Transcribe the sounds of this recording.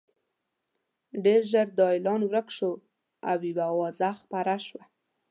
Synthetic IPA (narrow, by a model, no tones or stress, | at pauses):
ɖeɾʒəɾd̪ɑjlɑnwɾəkʃo | a̰wibawɑzaxpaɾaʃwa